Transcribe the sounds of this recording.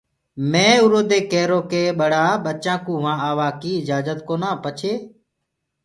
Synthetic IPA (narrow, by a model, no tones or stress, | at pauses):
mẽːʊɾoːd̪eːkeːɾoːkeːɓəɽaːɓət͡ʃãːkũːʋãːaːʋaːkiːɪd͡ʒaːzət̪koːnãːpət͡ʃʰeː